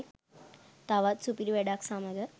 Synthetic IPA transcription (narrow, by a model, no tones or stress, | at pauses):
t̪aʋat̪supiɾʋeɖaksaməd͡zə